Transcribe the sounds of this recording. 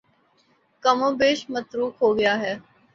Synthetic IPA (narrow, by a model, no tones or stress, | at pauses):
kɐmõːbeːʃmət̪ɾuːkɦoːɡɐjaːɦɛː